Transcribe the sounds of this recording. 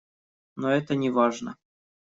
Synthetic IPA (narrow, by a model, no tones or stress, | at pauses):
noɛt̪ənʲɪvaʐnə̰